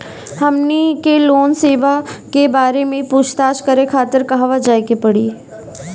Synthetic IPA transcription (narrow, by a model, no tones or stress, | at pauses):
hɐmnikeloːnseːʋakebaːɾemẽpuːt͡ʃt̪aːʃkɐɾekʰaːt̪əɾkɐɦʋad͡ʒaːekepɐɽiː